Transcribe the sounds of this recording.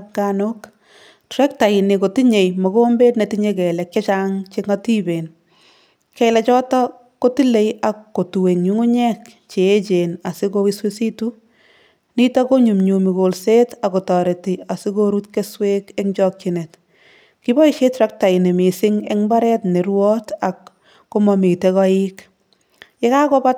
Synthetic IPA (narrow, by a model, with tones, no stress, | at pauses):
kanok | tɾɛ˦k̚ta˨ɪ˨ne˨ko˨ti˦ɲe˨jmo˨ko˦mbe˦tne˨tiɲekɛ˨lɛ˨kje˦t͡ʃaŋt͡ʃeŋati˦be˨n | kɛlɛ˨t͡ʃɔ˦tɔ˦ | ko˦ti˦le˦ja˨kːo˨tu˨we˨ŋɲu˦ŋu˦ɲɛ˦kt͡ʃeː˨˦t͡ʃena˨sɪ˦ko˦wɪswesi˦tu˦ | ni˦tɔ˦ko˦ɲu˨mɲu˨mi˨ko˨lse˦ta˨ko˨tɔ˨ɾe˨ti˨a˨sɪ˦koɾu˦tke˦swe˦ke˦ŋd͡ʒɔ˦k̚t͡ʃine˨t | ki˦bɔ˦iʃe˦tɾa˦k̚ta˨ɪ˨ne˨mɪ˨sɪ˦ŋɛ̰˦ŋba˦ɾɛtne˨ɾwɔ˦ta˨kː | o˦mɔmi˨te˨kɔ˦ɪk | je˦ka˦kɔ˦pa˦t